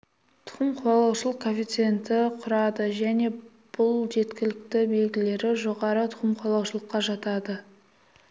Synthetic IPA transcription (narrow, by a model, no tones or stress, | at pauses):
t̪ʰʊ̥χəmqʰʊwɑlˠɑwʃəlˠəq̚kʰofʲijt̪sɨe̞nt̪ɪqʰʊɾɑd̪əʒæne̞ | b̥ʊlˠʒe̞t̪kʲɪlɪk̚t̪ɪbe̞lɡʲɪle̞ɾɪʒo̞ʁɑɾət̪ʰʊ̥qəmqʰwɑlˠɑwʃəlˠəqːɑʒɑt̪ɑd̪ə